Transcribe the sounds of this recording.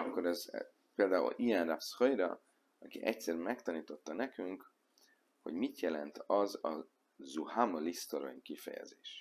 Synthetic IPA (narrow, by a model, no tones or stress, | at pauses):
ɒkːo̞ɾɛz | peːld̪aːṵlijɛnrashojɾɒ̰ | ɒkiʔɛcsɛrmɛkt̪ɒniːt̪o̞t̪ːɒnɛkyŋk | ho̞̰ɟmit̪jɛlɛnt̪ʰɒzɒ | zuhamolist̪oɾo̰ɲkifɛ̰jɛ̰zeːʃ